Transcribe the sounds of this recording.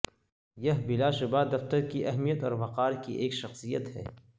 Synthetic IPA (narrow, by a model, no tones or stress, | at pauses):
jɐɦbɪlaːʃʊbaːd̪ɐft̪əɾkiʔɐɦmijət̪ɔːɾbɐqaːɾkḭʔeːkʃɐxsijə̰t̪hɛ̰ː